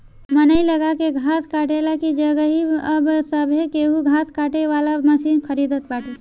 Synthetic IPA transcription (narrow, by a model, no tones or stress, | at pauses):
mənəiləɡakeɡʱaːskaːʈelakid͡ʒəɡəɦiəbsəbʱekeɦuɡʱaːskaːʈeʋaːlaməsiːnkʰəɾid̪ət̪̚baːʈʰi